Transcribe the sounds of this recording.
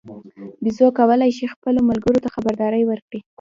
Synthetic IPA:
bizokawəlajʃixpəlomalɡəɾot̪axabaɾd̪ɑɾəjwəɾkɽi

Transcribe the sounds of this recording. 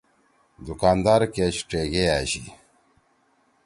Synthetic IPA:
d̪ukaːnd̪aːɾkeɕʈ͡ʂeɡeaɕḭ

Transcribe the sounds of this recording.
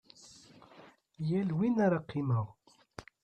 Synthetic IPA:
jælwinaɾaqʰːiməʁ

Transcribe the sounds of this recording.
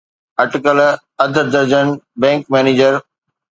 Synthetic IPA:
ɐʈɪkəl | ɐd̪ʱd̪ɐɾd͡ʑənbɛ̃ːŋkmɛ̃ːniːd͡ʑəɾ

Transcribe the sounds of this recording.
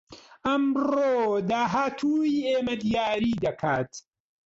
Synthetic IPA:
ʔɐmroːd̪aːɦaːt̪ʰuieːmɐd̪ijaːɾiːd̪ɐkʰaːt̪

